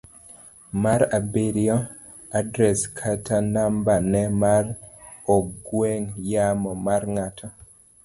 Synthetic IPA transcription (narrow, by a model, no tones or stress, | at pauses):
maɾabeɾiɔ | adɾɛskʰatʰanambanɛmar | ɔɡweŋjamɔmarŋatʰɔ